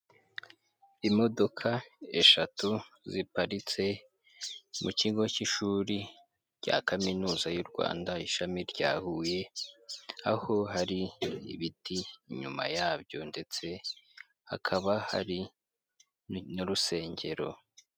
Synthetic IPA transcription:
imo̞do̞kʰae̞ʃatu | zipaɾit͡se̞ | muciːɡo̞ciʃuːɾi | ɟ̥a̰kaminuːzajuɾɡwa̰ːndaiʃamiɾɟaːhuje̞ | aho̞ɦaɾḭːβitiːɲṵma̰jaːbɟo̞nde̞t͡se̞ | ha̰kʰaβaha̰ɾi | nuɾuse̞ːɲɟe̞ɾo̞̰

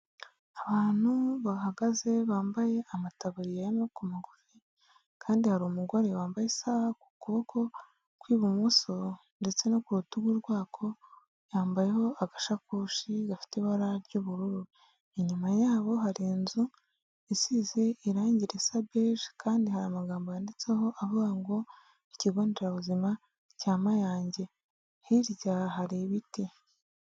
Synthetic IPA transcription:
aβaːn̥huβahaɡaze̞βaːmbaje̞amataβuɾijajimokumaɡofi | kʰaːndihaɾoːmuɡo̞ɾe̞waːmbajesaβaku̥kuβo̞kʰo̞ | kwiːβumuso̞ | nde̞t͡se̞nokuɾutuɡwuɾɡwaːkʰo̞ | jaːmbaje̞ho̞aɡaʃakuːʃiɡafi̥teβaɾaɾɟuβuɾuɾu | eɲumajaːβo̞ɦaɾinzu | isiːzeiɾaːɲɟiɾesabeɾkʰaːndihaɾamaɡaːmbojande̞t͡seho̞ʔaβuɡaŋɡo̞ | iciɡoːndeɾaβuzima | caːmajaːɲɟe̞ | hiɾɟaɦaɾiβiti

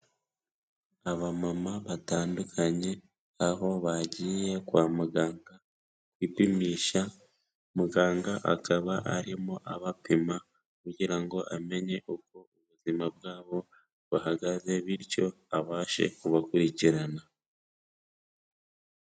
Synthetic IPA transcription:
aβamamaβataːndukʰaɲe̞ | aɦo̞βaɟiːje̞kwaːmuɡaːŋɡa | kwiːpimiːʃa | muɡaːŋɡaʔa̰kʰaβaʔa̰ɾimoʔaβapima | kuɟiɾaŋɡo̞ʔame̞ɲe̞ʔuko̞uβuzimabɡaːβo̞ | βahaɡaze̞βiɾco̞ | aβaːʃe̞̰kuβakuɾiciɾana

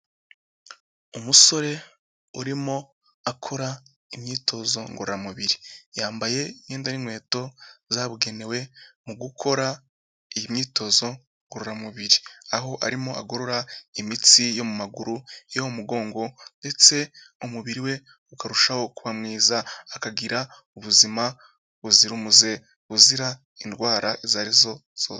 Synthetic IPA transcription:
umuso̞ɾe̞ | uɾimo̞ | akʰo̞ɾa | imɲiːtʰo̞zo̞ŋɡoɾoɾamuβiɾijaːmbaje̞iɲeːndaɾimwe̞ːto̞zaːβuɡe̞ne̞we̞muɡukʰo̞ɾa | ijimɲiːto̞zo̞ | ŋɡoɾoɾamuβiɾiaɦo̞ʔa̰ɾimo̞aɡoɾo̞ɾaimit͡sijo̞mumaɡuɾujomuɡo̞ːŋɡo̞nde̞t͡se̞ | umuβiɾiwe̞ | ukaɾuʃaho̞kuβamŋiːzaːkaɡiɾa | uβuzima | βuziɾumuze̞ | βuziɾa | indɡwaːɾaezaːɾizo̞ | z̥oː

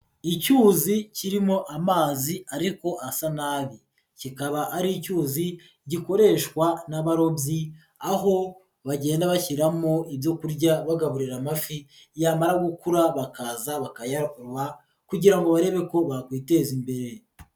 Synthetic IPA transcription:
icuːziciɾimo̞ʔamaːziaɾiko̞ʔasanaːβi | cikaβaʔaɾicuːzi | ɟiko̞ɾe̞ːʃkwanaβaɾo̞bji | aɦo̞ | βaɟe̞ːndaβaçiɾamoibjo̞kuɾɟaβaɡaβuɾiɾamafi | jaːmaɾaɡukuɾaβakaːzaβakajaɾuɾwa | kuɟiɾaŋɡoβaɾe̞βe̞ko̞βakwiːte̞ːzimbe̞ɾe̞

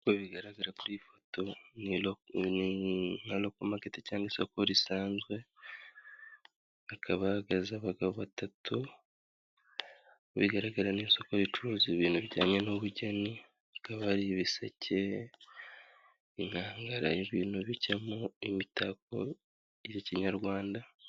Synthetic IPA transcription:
koβiɡaɾaɡaɾakuɾifo̥to̞nilnin̥alo̞komaɡetecaːŋɡiso̞ko̞ɾisaːnzɡwe̞ | akʰaβaɡazaβaɡaβoβatatʰu | βḭɡaɾaɡaɾaniːnso̞ko̞ɾit͡ʃuɾuːziβiːn̥huβiɟa̰ːɲe̞nuβuɟe̞ni | akaβaɾiβisecʰe̞ | in̥haːŋɡaɾa̰iβiːn̥huβicemuimitak̚o̰ | jeciɲaɾɡwaːnda

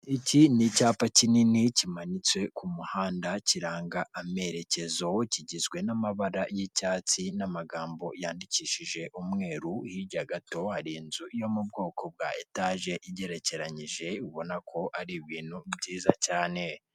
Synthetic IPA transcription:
icinicaːpacininicimaɲit͡swe̞kumuhaːndaciɾaːŋɡaʔame̞ɾe̞ce̞zociɟizɡwe̞namaβaɾajicaːt͡sinamaɡaːmbo̞̰jaːndiciːʃiʒe̞ʔumŋe̞ːɾuhiɟaɡato̞haɾiːnzujo̞mubɡo̞ːko̞b̚ɡaːetaʒe̞ʔiɟe̞ɾe̞ce̞ɾaɲiʒe̞uβo̞nakʰo̞ʔaɾiβiːn̥hubɟiːzacaːne̞

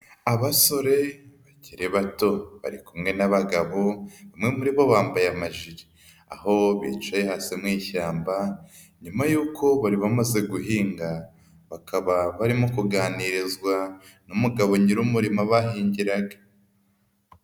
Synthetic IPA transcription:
aβaso̞ɾe̞βaɟiɾeβato̞βa̰ɾikumŋe̞naβaɡaβo̞βamŋe̞muɾiβo̞βaːmbajamaʒiɾi | a̰ho̞βḭt͡ʃaje̞haːsimŋiːʃaːmba | ɲumajuːkʰo̞βaɾiβamaze̞ɡuɦiːŋɡa | βakaβaβaɾimokuɡaːniɾizɡwanumuɡaβo̞ɲiɾumuɾimaβaɦiːɲɟiɾaɡa

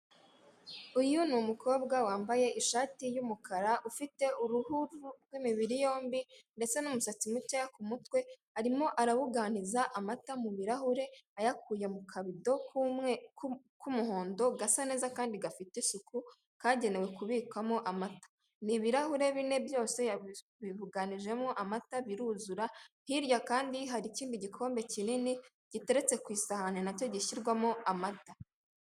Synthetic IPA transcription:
ujunumukʰo̞ːbɡawaːmbaje̞ʔiʃaːtijumukʰaɾaʔufite̞uɾuhuɾuɾɡwimiβiɾijo̞ːmbinde̞t͡se̞numusat͡simucajakumutwe̞ | aɾimo̞ʔaɾaβuɡaːnizaʔamatamuβiɾahuɾe̞ajak̚uːje̞mukʰaβido̞ | kumuɦo̞ːndo̞ɡasane̞ːzakaːndiɡafitesuku | kaːɟe̞ne̞we̞kuβiːkamoʔamatḁ | niβiɾahuɾe̞βine̞bjo̞ːse̞a | βiβuɡaniʒe̞moʔamataβiɾuzuɾahiɾjakaːndiɦaɾiciːndiɟikʰo̞ːmbe̞cinini | ɟ̥ite̞ɾe̞t͡se̞kwiːsahanenaco̞ɟiʃiɾɡwamoamata

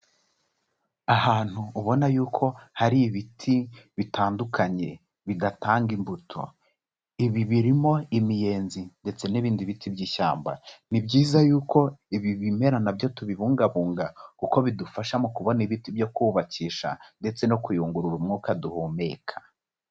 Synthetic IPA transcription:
ahaːn̥huːβo̞najuːkʰo̞haɾiːβitʰiβitʰaːndukʰaɲe̞̰ | βidataːŋɡimbutʰo̞̰ | iβiβiɾimo̞imije̞ːnzinde̞t͡se̞niβiːndiβitʰibɟiːʃa̰ːmba̰nibɟiːzajuːko̞iβiβime̞ɾanabjo̞tuβiβuːŋɡaβuːŋɡakuko̞βidufaʃamokuβo̞niβitibjo̞kuːβaciːʃa̰nde̞t͡se̞no̞kujuːŋɡuɾuɾumŋuːkaduhoːme̞ːkʰḁ

